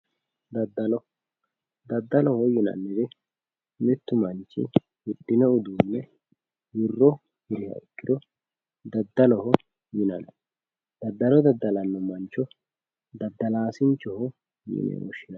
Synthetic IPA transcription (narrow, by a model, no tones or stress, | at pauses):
d̪ɐd̪ːɐlɔ | d̪ɐd̪ːɐlɔhɔjɪnɐ̰nːɪd̪ɛ | mɛt̪ːʊmɐnt͡ʃːɪ̰ | hɪɗːɪnɛʊd̪uːnːɛ | jɪrːɔ | hɪɾɪhɐ̰ɪkːɪd̪ɔ | d̪ɐd̪ːɐlɔhɔ | jɪnɐn | d̪ɐd̪ːɐlɔd̪ɐd̪ːɐlɐnːɔmɐnt͡ʃːɔ | d̪ɐd̪ːɐlaːsɪnt͡ʃːɔhɔ | jɪ̰nɛ̰nɔʃɪnɐ